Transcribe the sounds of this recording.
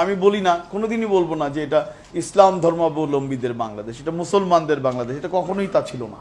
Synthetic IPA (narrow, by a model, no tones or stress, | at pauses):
amibolinakonod̪inibolbonad͡ʑeeʈa | islamd̪ʱɔɾmabolombid̪eɾba̰ŋlad̪eʃeʈamusolmand̪eɾbaŋlad̪eʃeʈakɔkʰonojt̪at͡ɕʰilona̰